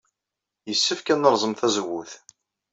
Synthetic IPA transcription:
jəsːəfkænːəɾˤzˤəmθæzəwːʊθ

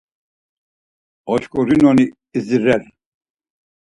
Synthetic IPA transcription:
ɔʃkʼɔɾinɔniː | ziɾɛɾ

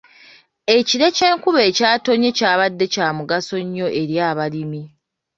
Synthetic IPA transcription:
eciɾe̞ce̞ːŋkuβe̞ːcaːto̞ɲe̞caːβadːe̞caːmuɡaso̞ɲːo̞ʔe̞ɾjaːβalimi

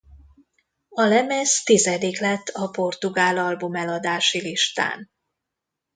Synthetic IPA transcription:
ɒlɛmɛst̪izɛd̪iklɛt̪ːɒpo̞rt̪uɡaːlɒlbumɛlɒd̪aːʃiliʃt̪a̰ːn

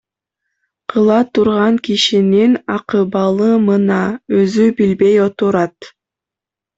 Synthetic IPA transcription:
qʰɯlˠɑt̪ʰuɾʁɑŋkiʃininɑqɯbɑlˠɯmɯnɑøzybilbejot̪uɾɑt̪

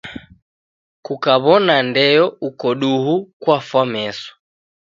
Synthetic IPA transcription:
kukaβɔnandɛjɔukɔɗuɦukwafwamɛsɔ̥

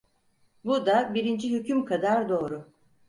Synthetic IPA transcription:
bud̪abiɾind͡ʒiɦycʰymkʰad̪aɾd̪o̞ːɾʊ

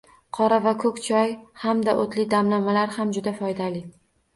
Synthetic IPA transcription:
qʰɒɾavakʰɵkʲt͡ʃʰɒjhamd̪aʔot̪ʰlɪd̪amlamalaɾhamd͡ʒʊd̪afɒjd̪alɪ

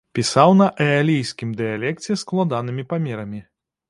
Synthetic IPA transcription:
pʲisawnɐʔɛalʲijsʲkʲimd̪ɨjalʲɛk̚t͡sʲɛsklˠad̪an̪ɨmʲipamʲɛɾɐmʲi

